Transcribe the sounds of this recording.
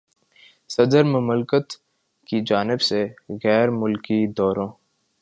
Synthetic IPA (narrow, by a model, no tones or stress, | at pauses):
sɐd̪əɾmʊmlkət̪ | kid͡ʒaːnɪbseɣɛːɾmʊlkid̪ɔːɾõː